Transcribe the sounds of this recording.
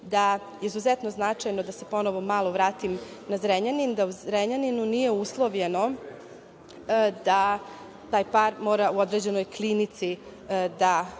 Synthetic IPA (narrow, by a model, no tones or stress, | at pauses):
d̪a | jeizuzɛt̪no̞znat͡ʂajno̞d̪ase̞po̞noʋo̞maːlˠoʋɾaːt̪im | nazɾeɲanind̪auzɾeɲaninunije̞uslˠo̞ʋʎe̞no̞ | d̪a | t̪aːjpaɾmo̞ːɾauo̞d̪ɾed͡ʑe̞nojklinit̪sid̪a